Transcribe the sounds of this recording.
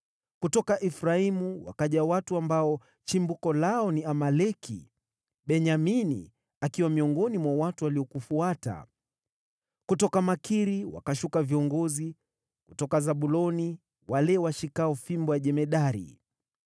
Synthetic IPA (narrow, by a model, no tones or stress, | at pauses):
kutɔkaʔɛfɾaimuwa̰kaʄawatuambaɔ | t͡ʃimbukɔlaɔniamalɛkʰḭ | ɓɛɲaminḭ | akiwamiɔŋɡɔnimwawatuwaliɔkufuata̰ | kutɔkamakʰiɾiwa̰kaʃukaviɔŋɡɔzi | kutɔkazaɓulɔni | walɛwaʃikaɔfimbɔjaʄɛmɛɗaɾḭ